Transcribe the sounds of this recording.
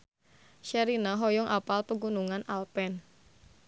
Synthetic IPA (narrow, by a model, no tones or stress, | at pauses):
ʃɛɾinaɦɔjɔŋʔapalpəɡunuŋanʔalpɛn